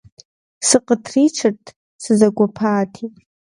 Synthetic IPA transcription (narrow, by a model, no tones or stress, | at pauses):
sɨqʼətʰriʈ͡ʂʰɨrtʰʼ | sɨzaɡʷapʰaːtʰitʼ